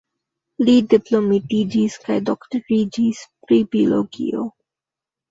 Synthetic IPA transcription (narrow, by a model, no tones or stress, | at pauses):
liɖiplomiʈid͡ʒiskajdɔkʈəːid͡ʒispɾibilo̰ɡḭo̰